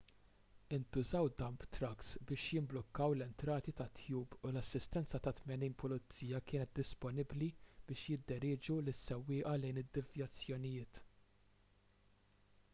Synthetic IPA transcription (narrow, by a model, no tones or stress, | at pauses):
ɪnt̪ʊzɐwd̪ɐmpt̪ɾɐksbɪːʃjɪmblɔkːɐwlɛnt̪ɾɐːt̪it̪ɐt̪ʰjuːpʊlɐsːɪst̪ɛnt͡sɐt̪ɐt̪mɛniːnpʊlɪt͡sːiːjɐkɪːnɛt̪̚d̪ɪspɔnɪblib̥ɪːʃjɪd̪ːɛɾɪːd͡ʒulɪsːɛwːɪːʔɐlɛjnɪd̪ːɪvjɐt͡sːjɔnɪjɪːt̪